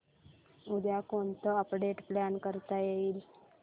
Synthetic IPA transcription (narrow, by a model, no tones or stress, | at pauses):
ud̪jakoɳt̪əəpɖeʈpljankəɾt̪ajeiːl